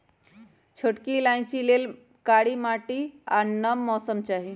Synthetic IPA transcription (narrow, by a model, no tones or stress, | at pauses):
t͡ʃʰoʈkilaj̃t͡ʃilel | kaɽimaʈiaɾnəmːɔsəmt͡ʃaːɦi